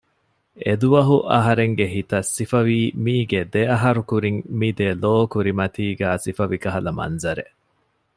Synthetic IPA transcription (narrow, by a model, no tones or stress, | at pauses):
ed̪uʋɐɦuʔɐɦɐɾeŋɡeɦit̪ɐsːifɐʋiːmiːɡed̪eɐɦɐɾukuɾiŋmid̪eloːkuɾimɐt̪iːɡæːsifɐʋikɐɦɐlɐmɐ̰nzɐɾeʔ